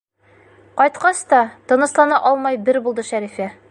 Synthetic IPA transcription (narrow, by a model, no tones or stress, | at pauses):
qɒjt̪qɑst̪ɒt̪ŏnɤ̆slˠɑnɑʔɒlˠmɑjbɘɾbulˠd̪ɤʃæɾifæ